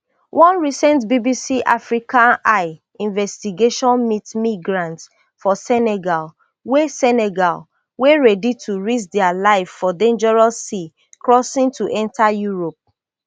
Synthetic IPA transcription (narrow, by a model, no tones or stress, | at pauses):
wʔɔ̃nɹisɛ̃ntbibisiʔafɹikãnaɪ | ĩnvɛstiɡeʃɔ̃nmitmiɡɹãnts | fɔsɛnɛɡal | wesɛnɛɡal | weɹɛditʰuɹit͡ʃdɛalaɪffɔdẽnd͡ʒɛɹɔsːi | kɹɔsĩŋtʰuʔɛ̃ntʰajuɹop̚